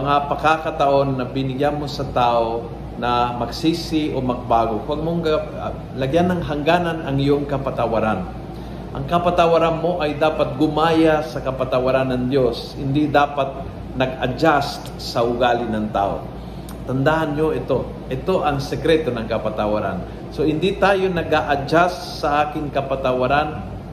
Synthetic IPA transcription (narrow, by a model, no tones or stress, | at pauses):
mɐŋapɐkakɐt̪ɐʔo̞nːɐbɪnɪɡjanmo̞sɐt̪aːʔo̞ | nɐmɐɡsiːsɪʔomɐɡ̚baːɡo̞kwaɡ̚moŋkɐ | lɐɡjanːɐŋɦɐŋɡaːnanɐŋɪjoŋkɐpɐt̪ɐwaɾan | ʔɐ̰ŋkɐpɐt̪awaɾanmo̞ʔɐjd̪aːpɐt̪̚ɡʊmaːjasɐkɐpɐt̪ɐwɐɾanːɐŋd̪jo̞shɪnd̪id̪aːpat̪̚ | nɐɡɐ̰d͡ʒast̪ | sɐʔʊɡaːlɪnɐŋt̪a̰ːʔo̞̰ | t̪ɐnd̪ahanɲoʔɛt̪o̞ | ʔɛt̪o̞ʔɐŋsɛkɾɛt̪o̞nɐŋkɐpɐt̪awaɾa̰n | so̞hɪnd̪it̪aːjo̞nɐɡaʔɐd͡ʒasːɐʔaːkɪŋkɐpat̪ɐwaɾan